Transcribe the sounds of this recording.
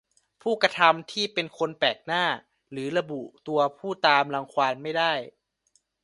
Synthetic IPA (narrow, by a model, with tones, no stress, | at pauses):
pʰuː˥˩kɾa˧t̪ʰa˧mt̪ʰiː˥˩pe˧nkʰo˧npɛː˨˩k̚naː˥˩ | lɯː˩˦ɾa˧bu˨˩t̪u˧ɐpʰuː˥˩t̪aː˧mla˧ŋkʰwaː˧nma˥˩jda˥˩j